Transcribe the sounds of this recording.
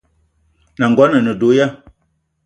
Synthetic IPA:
na˨ŋ˨ɡɔ˦nə˨nə˨do˨˦ja˦

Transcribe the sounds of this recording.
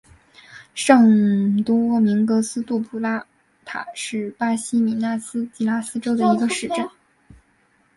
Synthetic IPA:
ʂɤ˥˩ŋt̪wu˥wɔ˥˩mi˧˥ŋkɤ˧˥sɹ̩˥t̪u˥˩pʰu˧˥la˥ | t̪ʰa̰˨˩˦ʂɻ̩˥˩pa˥ɕi˥mi˨˩na˥˩sɹ̩˥t͡ɕi˧˥la˥sɹ̩˥ʈ͡ʂo˥ʊd̪ə˨˧i˧˥ɡə˧ʂɻ̩˥˩ʈ͡ʂə˥˩n

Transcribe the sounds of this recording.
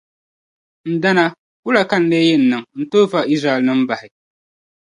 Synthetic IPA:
n̩˨da˦na˦ | kʊ˦la˨ka˦n̩˦le˦jɛ˦n̩˨nɨ˨ŋn̩˦toː˦va˨ʔi˦sɾa˨ɛ˨lnɨ˦m̩˦ba˨hɪ˨

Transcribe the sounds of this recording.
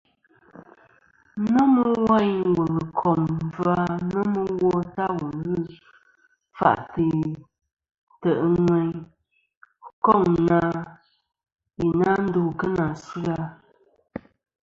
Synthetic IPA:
nə˦mə˦wa˦˨ɲwə˨ɣə˨kʰɔ˨m˨va˦nə˦mə˦wɔ˦ta˦wo˨nɨ˦ | fa̰˨ʔti˨ | tə˨ʔŋwɛ˦ɲ˦ | kɔ˦˨ŋna˦ | ji˨na˦n̩˦du˨kə˦na˨sʉ˦a˦

